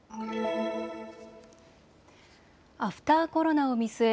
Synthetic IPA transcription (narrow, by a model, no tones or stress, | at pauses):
aɸɯ̟̥t̪aːko̞ɾo̞nao̞mʲisɨe